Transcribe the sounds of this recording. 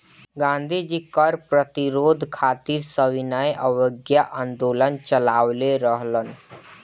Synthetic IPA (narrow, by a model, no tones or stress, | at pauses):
ɡãːnd̪ʱid͡ʒikəɾpɾət̪iɾoːd̪ʱkʰaːt̪iɾsəwinajʔəwəɡjaʔənd̪oːlənt͡ʃəlaːwleɾəɦlən